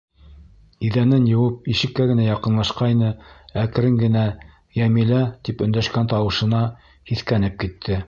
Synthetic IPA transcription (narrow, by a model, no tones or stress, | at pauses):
iðænænjɤ̆wɤp̚iʃɘ̆kːæɡɘ̆næjɑqɤ̆nlˠɑʃqɑjnɤæk̆ɾɘŋɡɘ̆næ | jæmilæt̪ipɵ̆nd̪æʃkænt̪ɑwɤ̆ʃɤ̆nɑ | hiθkænɘp̚kit̪ʰːɘ